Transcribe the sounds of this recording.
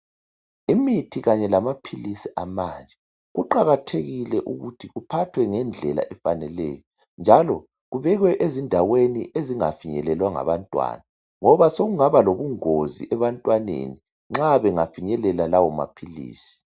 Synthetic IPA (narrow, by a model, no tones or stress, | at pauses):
imitʰiɣaɲɛlamapʰilisiʔamand͡ʒʱɛ | ɣuǃaɣatʰeɣilɛʔuɣutʰiɣupʰatʰwɛŋɛnd͡ɮʱɛla̰ʔɛfanɛlɛ̰ːjɔ | nd͡ʒʱalɔ | ɣuβɛɣwɛʔezindʱaweniʔeziŋa̰fiɲɛlɛlwaŋa̰βantʼwa̰ːna | ŋɔβasoɣuŋaβaloβuŋozḭʔɛβantʼwanḛni | ŋ͡ǁaβɛŋafiɲɛlɛlalawɔma̰pʰilḭːsi̥